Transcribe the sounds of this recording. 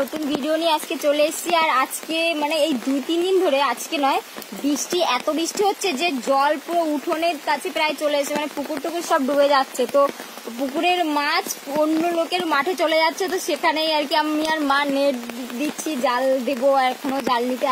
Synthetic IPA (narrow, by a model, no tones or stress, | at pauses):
ot̪unbʱiɖioniead͡ʑket͡ɕoleeʃt͡ɕʰiaɾad͡ʑkemaneejd̪ujt̪ind̪ind̪ʱoɾead͡ʑkenɔebɾiʃʈiɛt̪obɾiʃʈiɦotːɕʰed͡ʑed͡ʑɔlpɾouʈʰoneɾkat͡ɕʰepɾaet͡ɕoleeʃemanepukuɾt̪ukuɾʃɔbɖubed͡ʑatːɕʰet̪o | pukuɾeɾmat͡ɕʰonːolokeɾmaʈʰet͡ɕoled͡ʑat̪ːɕʰet̪oʃekʰanejaɾkiamiaɾmaneɾd̪itːɕʰid͡ʑald̪eboɛkʰonod͡ʑalnit̪e